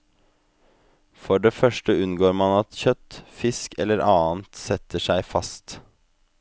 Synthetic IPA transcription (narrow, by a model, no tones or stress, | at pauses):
fɔɖeːfœʃʈəʉnɡoːɾmɑnɑt̪çœt̪fɪskɛ̰lːəɾʔɑːnt̪sɛt̪əʂæɪfɑst̪